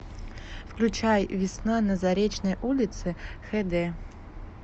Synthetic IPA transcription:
fklʲut͡ɕajvʲɪsnanɐzɐɾʲet͡ɕnəjulʲɪt̪sɨxɛd̪ɛ

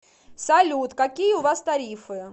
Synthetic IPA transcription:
sɐlʲut̪kɐkʲijəʊvast̪ɐɾʲifɨ

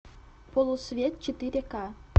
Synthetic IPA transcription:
polˠusʲvʲet̪̚t͡ɕit̪iɾʲekɑ

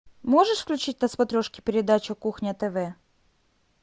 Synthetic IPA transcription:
moʐɨʂfklʲʉt͡ɕit̚ʲnɐspɐt̪ɾʲoʂkʲɪ̥pʲɪɾʲɪd̪at͡ɕʊkuxnʲɪɐt̪ɛvɛ

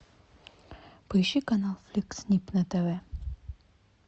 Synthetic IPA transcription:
pɨjʃikanalˠflʲiksnʲipnat̪ɛvɛ

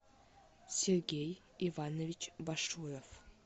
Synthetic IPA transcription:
sʲerɡʲej | ivanəvʲit͡ʃbaʂuɾof

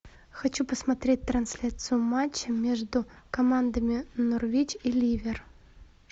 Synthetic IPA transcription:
xɐt͡ɕupəsmɐt̪ɾʲet̚ʲt̪rɐnsʲlʲat̪sɨjʊmat͡ɕːɪmʲeʐd̪u | komand̪ɐmʲɪnurvʲet͡ɕilʲivʲer

